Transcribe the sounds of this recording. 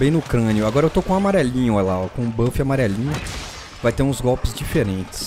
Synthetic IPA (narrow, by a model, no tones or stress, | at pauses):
bẽj̃nʊːkɾɐ̃njʊaɡɔɾɐewt̪okõamaɾɛlĩɲʊlaɔkõbɐ̃fɪamaɾɛlĩɲʊ | vajt̪eɾũzɡɔwpɪzd͡ʒifeɾẽnt͡ʃɪ̥s